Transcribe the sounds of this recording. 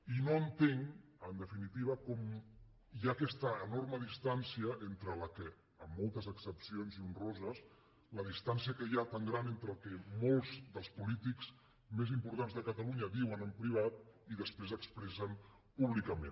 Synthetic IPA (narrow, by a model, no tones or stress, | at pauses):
inoənt̪eŋənd̪əfinit̪iβəkɔm | jakɛst̪əːnorməðist̪ansiəent̪ɾələkə | əmːolˠt̪əzəksəpsionziunrozəs | ləð̞ist̪ansiəkəjat̪aŋɡɾanent̪ɾəlˠkɛmolˠzðəlˠspulit̪ikz̥ | mezimpuɾt̪anzðəkət̪əluɲəβiwənəmpɾiβ̞at̪iðəspɾezəkspɾɛsən | puβlikəmḛn